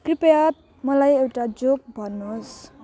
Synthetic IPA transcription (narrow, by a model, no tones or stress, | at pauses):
kripjat̪̚ | mʌlajewʈad͡zok̚bʱʌnːos